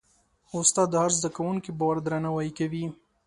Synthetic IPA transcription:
ʊst̪ɑd̪ːaɾzd̪akawuŋkibawaɾd̪ɾanawajikawi

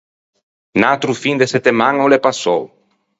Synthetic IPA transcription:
nat̪ɾufind̪eset̪emãŋolepasow

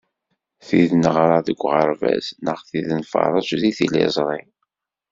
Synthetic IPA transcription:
θiðnəʁɾˤɑðəɡʷːʁəɾˤvæ̰znəχθiðnfɑ̰ɾˤɑʃðiθilḭzˤɾˤin

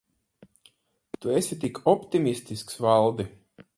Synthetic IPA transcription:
t̪uesʲit̪̬ikʰɔpt̪imʲisʲt̪isksvalˠd̪i

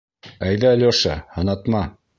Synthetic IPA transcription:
æjðæːlʲoʃɑ̰hɤ̆nɑt̪mɑ

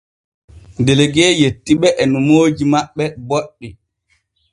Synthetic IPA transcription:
ndeleɡɛːjetːiɓɛʔɛnumoːd͡ʒimaɓːɛboɗːi

